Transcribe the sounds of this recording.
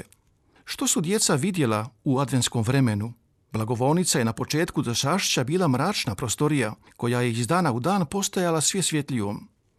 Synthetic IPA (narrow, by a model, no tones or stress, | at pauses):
ʃt̪o̞sud̪je̞t̪saʋid̪je̞lˠauad̪ʋe̞nsko̞mʋɾe̞me̞nu | blˠaɡo̞ʋo̞ːnit̪sajenapo̞t͡ʃe̞ːt̪kud̪oʃaːʃt͡ɕabiːlˠamɾaːt͡ʃnapɾo̞st̪o̞ɾija | ko̞jajeizd̪aːnaud̪aːnpo̞st̪ajalˠasʋje̞sʋje̞t̪liʋom